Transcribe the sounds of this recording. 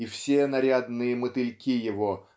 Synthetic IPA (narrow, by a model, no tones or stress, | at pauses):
ifsʲenɐɾʲad̪nɨjəmɨt̪ɨlʲkʲijɪvo